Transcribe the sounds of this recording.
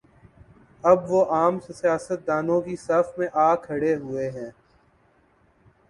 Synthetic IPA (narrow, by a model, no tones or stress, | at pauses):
ɐbʋoʔaːmsesijaːsət̪̚d̪aːnõkisaːfmẽʔaːkʰːəɽeɦʊeɦɛ̃ː